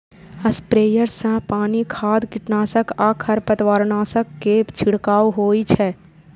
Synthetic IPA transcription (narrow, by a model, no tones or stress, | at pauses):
ɐspɾeːjəɾsãpaːnikʰaːd̪kɪʈnaːsəkaːkʰəɾpət̪waːɾnaːsəkːept͡ʃʰɪɽkaːoɦoːit͡ʃʰɛː